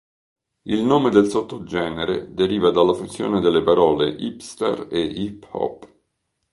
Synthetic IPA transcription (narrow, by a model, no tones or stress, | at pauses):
ilnoːmed̪elsot̪ːod͡ʒɛːneɾḛd̪eɾiːvad̪alːafunsjo̰ːned̪elːepaɾɔːleʔipst̪a̰reiphɔ̰pː